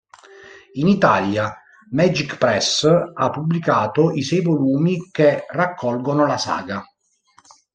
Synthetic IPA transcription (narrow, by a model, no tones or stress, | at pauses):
init̪aːlja | mɛd͡ʒikpɾɛsapːublikaːt̪oisɛjvoluːmikerːakʰːɔlɡonolasa̰ːɡa